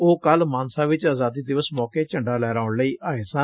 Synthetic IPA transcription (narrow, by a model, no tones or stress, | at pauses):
oːkəlmaːnsaːʋɪt͡ʃaːzaːd̪iːd̪ɪʋəsmɔːkeːt͡ʃəɳɖaːlɛːɾaːʊɳləiːʔaːeːsã